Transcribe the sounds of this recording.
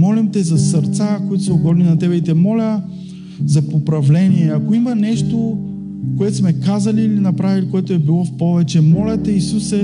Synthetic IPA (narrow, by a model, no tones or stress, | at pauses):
mɔlimt̪ɛzɐsəɾt̪sakoit̪ʊ̥sɛoɡɔd̪ninɐt̪ɛbɛit̪ɛmɔlʲɐ | zɐpopɾɐvlɛniɛɐkoimɐnɛʃt̪o | koɛt̪osmɛkazɐliːlinɐpɾavilikoɛt̪oɛbilˠɔfpɔvɛt͡ʃɛmɔlʲɐt̪ɛisusɛ